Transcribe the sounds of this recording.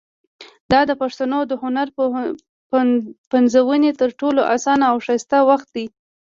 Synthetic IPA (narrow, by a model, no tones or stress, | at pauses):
d̪ɑd̪əpaʂt̪anod̪əhʊnaɾ | panzawənet̪əɾʈoloʔasɑnaːwʂɑst̪awaxt̪̚d̪i